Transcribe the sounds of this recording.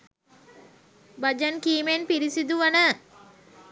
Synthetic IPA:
bad͡ʒankiːmenpiɾisid̪uʋanə

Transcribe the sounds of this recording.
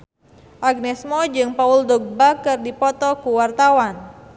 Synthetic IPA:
ʔaɡ̚nɛsmɔd͡ʒɨŋpauldɔɡ̚bakɨrdipɔt̪ɔkuwart̪awan

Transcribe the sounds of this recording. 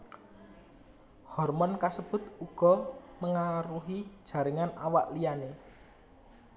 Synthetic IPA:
hɔrmɔnkasəb̥ʊ̤t̪uɡ̥ɔ̤məŋaɾuɦid̥ʒ̥ä̤ɾɪŋanawaʔlijane

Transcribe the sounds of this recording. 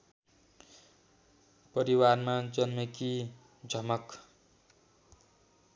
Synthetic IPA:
pʌɾiwarmad͡zʌnmʌki | d͡zʱʌmʌk

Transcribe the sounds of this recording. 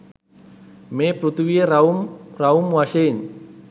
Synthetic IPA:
mepɾut̪uwieɾaumraumwaʃen

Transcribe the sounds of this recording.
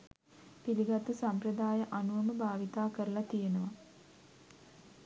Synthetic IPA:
piliɡat̪usamprəd̪aːjəʔanuʋəməbʱaːʋit̪aːkəɾəlat̪ijenəʋa

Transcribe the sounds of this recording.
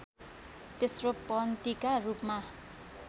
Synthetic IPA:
t̪esropʌnt̪ikarupma

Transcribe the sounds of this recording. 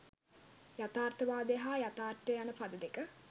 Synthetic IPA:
jat̪aːrt̪əʋaːd̪əjɦaːjat̪aːrt̪ːəjanəpad̪əd̪ekə

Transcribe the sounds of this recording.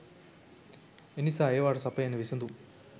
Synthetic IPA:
enisaːjɐʋaːʈɐsɐpːɐjɐnɐʋisɐnd̪u

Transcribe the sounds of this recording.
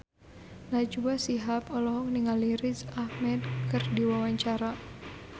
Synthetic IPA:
nad͡ʒuasiɦapɔlɔɦɔk̚niŋaliɾisahmɛdkɨrdiwawaɲt͡ʃaɾa

